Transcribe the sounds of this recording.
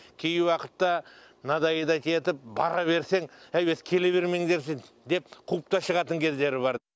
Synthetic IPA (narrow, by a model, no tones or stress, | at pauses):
kʲʰejɪwɑqət̪ːɑ | nɑd̪ɑjəd̪ɑkʲʰe̞t̪ɪp̚bɑ̰ɾɑβe̞ɾse̞ŋæjbeskʲʰe̞le̞βe̞ɾme̞ŋd̪e̞ɾs̬ɪŋ | d̪e̞p̚qʰup̚t̪ɑʃəʁɑt̪əŋkʲʰe̞zd̪e̞ɾɪβɑɾ